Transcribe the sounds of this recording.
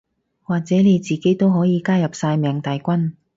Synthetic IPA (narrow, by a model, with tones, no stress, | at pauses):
waː˨k̚t͡sɛː˨˥ne˨˧jt͡siː˨ke˨˥jt̪o˥wɦɔː˨˥jiː˨˧kaː˥jɐ˨p̚saː˧jmɛː˨ŋt̪ɐ˨jkʷɐ˥n